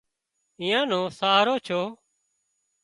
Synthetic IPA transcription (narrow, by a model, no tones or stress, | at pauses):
ĩːãːnõːsaːɾoːt͡ʃʰoː